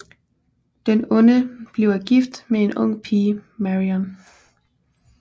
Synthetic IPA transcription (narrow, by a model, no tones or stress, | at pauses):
d̥enɔ̽nəb̥leʊæɡ̥ifd̥mee̝nɔ̽ŋ̰pʰiːmæʁiɒn